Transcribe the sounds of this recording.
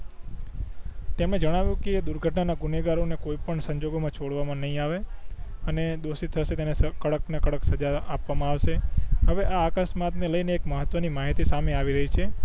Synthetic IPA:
t̪emɽ̃ẽd͡ʒəɽ̃aʋjũked̪uɾɡʱəʈɳanaɡuneɡaɾonekoipəɳsəɲd͡ʒoɡomãt͡ʃʰoɽʋamãnəɦĩaʋeəned̪osit̪ʰəʃet̪enesəkəɽəknekəɽəksəd͡ʒaapʋamãaʋʃeɦəʋeʔaːkasmat̪neləjneːkməɦət̪ʋənimaɦit̪isameaʋiɾəɦit͡ʃʰe

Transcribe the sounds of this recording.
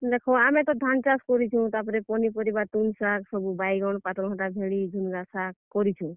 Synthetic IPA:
d̪ekʰɔamẽt̪ɔd̪ʱant͡ʃaskɔɾit͡ʃʰũt̪apɔɾɛpɔnipɔɾibat̪unsaksɔbubajɡɔɳpat̪ɾɦɔ̃tabʱeɭid͡ʒʱunɡasakɔɾit͡ʃʰũ

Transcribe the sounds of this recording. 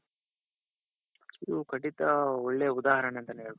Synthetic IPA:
id̪ukɐʈit̪ɐɔɭːeɐud̪aːɦɐɾɐɳent̪ɐnɦeːɭ

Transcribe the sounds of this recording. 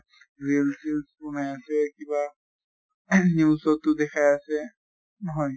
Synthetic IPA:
ɹilsilspɔnajasɛkiba | niusɔtːʊdɛkʰajasɛ | nɔɦɔj

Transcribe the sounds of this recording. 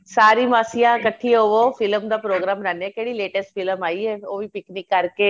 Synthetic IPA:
saːɾiːmaːsijãkəʈʰioʋofʰɪləmd̪aːpɾoːɡɾaːmɾɛːnɛːkɛːɽileːʈəsʈfʰɪləmaːiɛːoːʋipɪknɪkːəɾkeː

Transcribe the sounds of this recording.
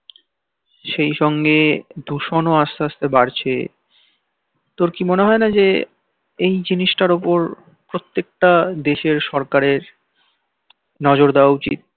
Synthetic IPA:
ʃejʃɔŋɡed̪ʱuʃonoast̪aast̪ebaɾt͡ɕʰḛ | t̪oɾkimoneɦɔenad͡ʑe | ejd͡ʑiniʃʈaɾopoɾ | pɾot̪ːek̚ʈad̪eʃeɾʃɔɾkaɾeɾ | nɔd͡ʑoɾd̪aoaut͡ɕḭt̪̚

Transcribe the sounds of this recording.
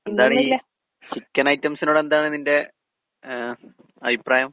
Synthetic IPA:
end̪aːɳi | t͡ɕikʲːɐnɐjtːɐmsinoːɽe̞nd̪aːɳɨninde̞ | ɐbʱipraːjɐm

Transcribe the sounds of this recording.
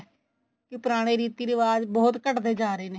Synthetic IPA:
kɪpɾaːɽ̃eːɾiːt̪iːɾəʋaːd͡ʒbɔːt̪kəʈd̪eːd͡ʒaːɾeːneː

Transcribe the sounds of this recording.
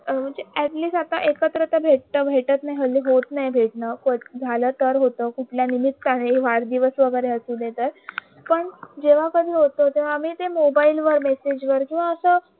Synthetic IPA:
m̤əɳd͡zeæʈliːsʈat̪aʔekət̪ɾət̪əbʱeʈ̚t̪əbʱeʈət̪najɦəlːiɦot̪najbʱeʈnəkod͡zʱalət̪əɾɦot̪əkuʈʰljanimit̪ːaneʋaɾd̪iʋəsʋəɡəɾeəsuːlet̪əɾ | pəɳd͡ʑeʋ̤akəd̪ʱiːɦot̪ot̪ẽʋaːm̤iːt̪emobailʋəɾmesed͡ʑʋəɾkĩw̃ʋaəsəː

